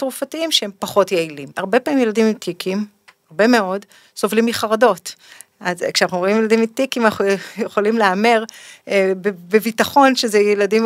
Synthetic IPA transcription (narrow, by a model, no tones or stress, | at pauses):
tʁufatiimʃehempaχo̞tjeilima̰ʁbepamimjeladimimtikʰim | aʁbe̞me̞o̞d | so̞vlimiχaʁado̞t | azkʃeanaχnuimjelad̪imitikimanaχujeχolimleameʁ | bebevitaχo̞nʃezejeladim